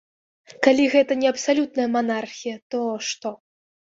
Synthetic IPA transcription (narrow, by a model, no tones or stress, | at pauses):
kalʲiɣɛt̪ɐnʲɛɐpsalʲut̪nɐjɐmanarxʲijɐt̪ɔʂt̪ɔ